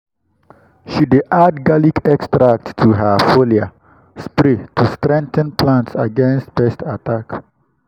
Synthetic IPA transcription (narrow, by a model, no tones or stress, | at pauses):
ʃideʔadɡalikɛkstɾak̚tːʰuɦafolia | spɾetʰustɾɛ̃ŋt̪ə̃nplãntsaɡɛ̃nstbɛstʰatak